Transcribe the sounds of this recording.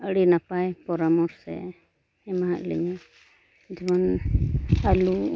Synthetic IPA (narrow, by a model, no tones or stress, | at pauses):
əɽinapajpɔɾamɔɾsɛ̰ | ɛmaɦaʔlɛ̰ɲa | d͡ʒɔban | alu